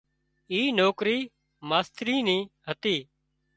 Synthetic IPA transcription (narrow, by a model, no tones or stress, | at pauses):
iːnoːkɾiː | maːst̪ɾiːnĩːɦət̪iː